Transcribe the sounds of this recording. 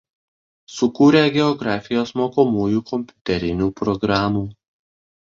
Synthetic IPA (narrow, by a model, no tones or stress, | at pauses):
sʊkuːɾʲeːɡʲɛɔɡɾɑːfʲɪjoːsmoːkomuːjuːkɔmʲpʲʊt̪ʲɛɾʲɪnʲuːpɾɔɡɾɑːmuː